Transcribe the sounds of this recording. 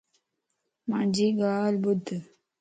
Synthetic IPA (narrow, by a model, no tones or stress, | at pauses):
mãd͡ʒiɡaːlbud̪